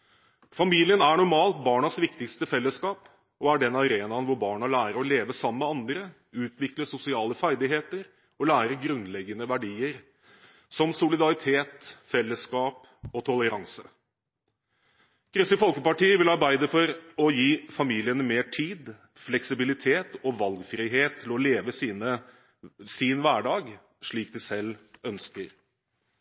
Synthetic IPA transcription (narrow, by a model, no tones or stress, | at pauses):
fɑmiːlɪənæɳʊɾmɑːlt̪̚bɑːɳɑsʋɪkt̪ɪkst̪əfɛlːəskɑːp | ɔæɖɛnɑɾeːnɑnʋʊɾbɑːɳɑlæːɾəɾɔleːʋəsɑmːəɑnd̪ɾə | ʉːt̪ʰʋɪkləsʊsɪɑːləfæɾd̪ɪɦeːt̪əɾ | ɔlæːɾəɡɾʉnlɛɡːənəʋæɖiːəɾ | sɔmsʊlɪd̪ɑɾɪt̪ʰeːt̪fɛlːəskɑːp | ɔt̪ʰɔləɾɑŋsə | kʰɾʏsəfɔlkəpɑʈiːəʋɪlɑɾbæɪd̪əfɔɾɔjiːfɑmiːlɪənəmeːʈʰiːd̪ | flɛksɪbɪlɪt̪ʰeːt̪ɔʋɑlɡfɾiɦeːt̪ʰːɪlɔleːʋəsnə | sinʋæːɖɑːɡ | ʂɭiːk̚d̪ɪsɛlːœnskəɾ